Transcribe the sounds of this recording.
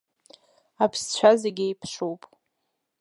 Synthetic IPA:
apʰst͡ɕʷʰazeɡʲɪjpʰʂowpʼ

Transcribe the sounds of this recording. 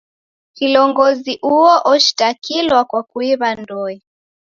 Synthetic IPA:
kilɔŋɡɔziʔuɔʔɔʃi̥takilwakwakuiβandɔi

